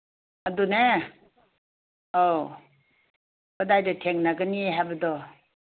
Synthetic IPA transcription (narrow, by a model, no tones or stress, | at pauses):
adune | o | bɯdajdɯtʰeŋnaɡɯnieɦabɯdɔ